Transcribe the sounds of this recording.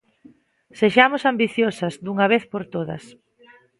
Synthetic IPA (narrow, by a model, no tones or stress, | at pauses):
seʃamʊsambiθjosɐzd̪uŋɐβ̞eθpoɾt̪oðɐ̰s